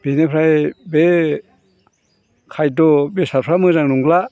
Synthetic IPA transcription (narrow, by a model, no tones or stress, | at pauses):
b̥enepʰɾajbe | kʰajdɔbesaɾpʰɾamɯzaŋnuŋla